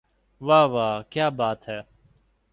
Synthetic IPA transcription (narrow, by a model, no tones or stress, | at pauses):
ʋaːʋaːkjaːbaːt̪ɦɛː